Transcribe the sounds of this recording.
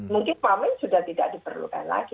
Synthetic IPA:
muŋkɪnpamɪŋsudaht̪idaʔ̚dipərlṵka̰nla̰ɡi

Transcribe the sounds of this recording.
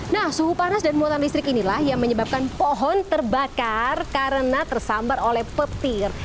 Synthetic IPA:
nahsuhupanasdanmuat̪anlist̪ɾɪkinilahjaŋməɲəbap̚kanpɔɦɔnt̪ərbakarkaɾənat̪ərsambarolɛhpət̪ɪr

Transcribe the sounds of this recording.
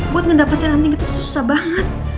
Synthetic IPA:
buat̪̚ŋəndapat̪iɾaɦant̪iŋɡit̪ususu̥sabaŋət̪̚

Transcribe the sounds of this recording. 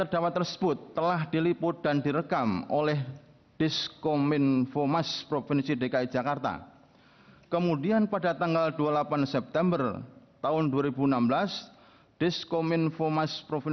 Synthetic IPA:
t̪ərd̥awat̪ːərsə̥b̥ʊt̪ːəlahd̥ilipʊd̪̥andiɾəkamolɛh | ɖ̥ɪskomɪnfomaspɾofɪnsiɖekai̥d͡ʒakart̪a̰ | kəmudianpadat̪aŋɡaldualapansɛp̚t̪ɛmbərt̪aʊnduaɾibunambəlas | d̥ɪskomɪnfomaspɾofi

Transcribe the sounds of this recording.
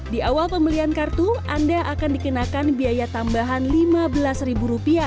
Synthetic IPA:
diawalpəməliankart̪uʔandaʔakandikənakanbiajat̪ambaɦanlimabəlasribuɾupia

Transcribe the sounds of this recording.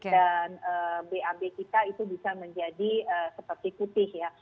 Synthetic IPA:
danəbeabekit̪ait̪ubisaməɲd͡ʒadiəsəpərt̪iput̪ɪhja

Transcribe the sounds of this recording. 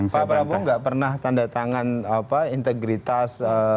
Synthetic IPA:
spapɾabɔŋɡaʔpərnaht̪andat̪aŋanapaint̪ɛɡɾit̪asə

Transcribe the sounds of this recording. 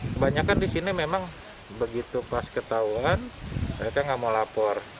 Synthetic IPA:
kəbaɲakandisinimemaŋ | bəɡit̪upaskət̪auanməɾekaŋɡamolapɔr

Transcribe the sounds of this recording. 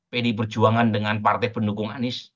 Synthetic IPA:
pedip̬ər̥d͡ʒuaŋandəŋanpart̪ɛpəndukʊŋa̰nɪs

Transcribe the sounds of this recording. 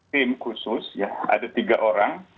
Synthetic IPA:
ɪmkusʊsjaʔa̰dat̪iɡaʔoɾaŋ

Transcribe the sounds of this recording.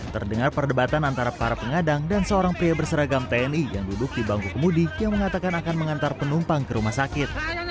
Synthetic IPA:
t̪ərdəŋarpərdəbat̪anant̪aɾapaɾapəŋadaŋdansəoɾaŋpɾiabərsəɾaɡamt̪eɛnijaŋdudʊk̚dibaŋkukəmudijaŋməŋat̪akanakanməŋant̪arpənumpaŋkəɾumahsakɪt̪̚

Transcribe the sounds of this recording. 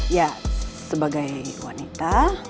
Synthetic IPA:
jasəbaɡajwa̰nit̪a

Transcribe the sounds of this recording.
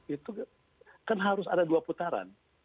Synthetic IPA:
it̪u | kanɦaɾʊsa̰daduaput̪aɾa̰n

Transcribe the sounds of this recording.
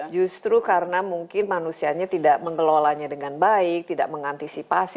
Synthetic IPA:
d͡ʒust̪ɾukaɾənamuŋkɪnmanusiaɲat̪idaʔməŋəlolaɲadəŋanbaɪk̚t̪idaʔ̚məŋant̪isipas

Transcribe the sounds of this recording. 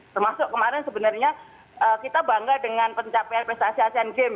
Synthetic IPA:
t̪ərmasʊʔkəmaɾɛnsəbənarɲa | ʔəːkit̪abaŋɡadəŋanpəɲt͡ʃapɛanpest̪asiasianɡem

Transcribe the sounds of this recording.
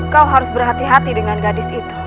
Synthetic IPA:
kawɦaɾʊsbərɦat̪iɦat̪idəŋanɡadɪsit̪u̥

